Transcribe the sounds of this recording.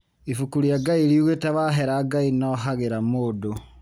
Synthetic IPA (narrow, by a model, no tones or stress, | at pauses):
ifukuɾjaɡaiɾiuɣetaβaɦeɾaɡainɔɦaɣeɾamodo